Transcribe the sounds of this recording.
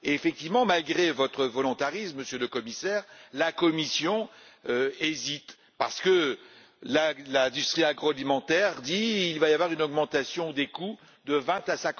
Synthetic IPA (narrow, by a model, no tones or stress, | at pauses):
eefɛk̚t̪ivmɑ̃malɡʁevɔt̪χəvɔlɔ̃t̪aʁismːəsjøləkɔmisɛːʁlakɔmisjɔ̃øezit̪ | pa̰ʁsə̥kə | lalɛ̃d̪yst̪χiaɡʁɔalimɑ̃t̪ɛʁd̪iːlvajavwaʁynɔɡmɑ̃t̪asjɔ̃d̪eku | d̪əvɛ̃t̪asɛ̃k